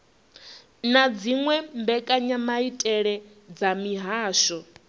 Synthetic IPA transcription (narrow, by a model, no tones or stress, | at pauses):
nad͡ziŋwɛmbɛkʼaɲamaitʼɛɺɛ | d͡zamiɦaːʃɔ